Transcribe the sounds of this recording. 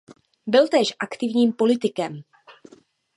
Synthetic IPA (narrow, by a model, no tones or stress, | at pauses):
bɪlt̪ɛːʃʔakt̪ɪvɲiːmpo̞lɪt̪ɪkɛm